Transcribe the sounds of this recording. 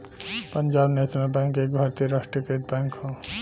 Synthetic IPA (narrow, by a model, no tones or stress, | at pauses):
pənd͡ʒaːbnet̪nabɛ̃ŋkeːkbʱaɾt̪iɾaʂʈɾiket̪̚bɛ̃ŋkɦõ